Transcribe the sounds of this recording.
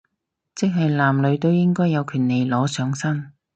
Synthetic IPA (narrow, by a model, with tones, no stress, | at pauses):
t͡sɪ˥k̚ɦɐ˨jlaː˨˩mlɵ˨˧ɥt̪o˥wjɪ˥ŋkɔː˥jːɐ˨˧wkʰyː˨˩nle˨jlɔː˨˥sœː˨˧˥ŋsɐ˥n